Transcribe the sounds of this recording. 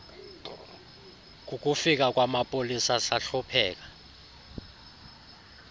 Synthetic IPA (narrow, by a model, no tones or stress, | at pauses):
k̬ʼuk̬ʼufik̬ʼak̬ʼwamapʼolisasaɬupʰɛːk̬ʼḁ